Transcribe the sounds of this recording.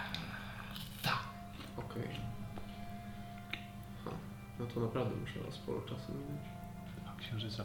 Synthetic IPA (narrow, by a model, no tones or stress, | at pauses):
t̪a | ɔkɛj | xa̰ | nɔt̪ʰɔnapɾavd̪ɛmuʂɛ̰ɔ̰spɔ̰ɾṵt͡ʂasumibet͡ɕ | akɕɛ̃w̃ʐɨt̪sa